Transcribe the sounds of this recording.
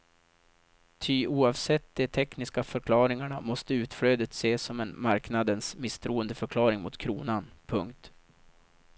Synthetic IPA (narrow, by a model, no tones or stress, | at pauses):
t̪ʰʏʔuːɑvsɛt̪ːd̪ɛt̪ʰɛknɪskafœɾkʰlɑːɾɪŋaɳamɔst̪əʉ̟ːt̪fɽøːd̪ət̪seːsɔmɛnmaɾknad̪ənsmɪst̪ʰɾuːənd̪əfœɾkʰlɑːɾɪŋmʊt̪kʰɾuːnanpʰɵŋk̚t̪